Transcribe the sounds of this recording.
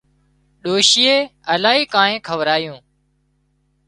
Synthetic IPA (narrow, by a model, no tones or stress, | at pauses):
ɗoːʃɪːeːəlaːɦiːkãːnẽːkʰəʋɾaːjũː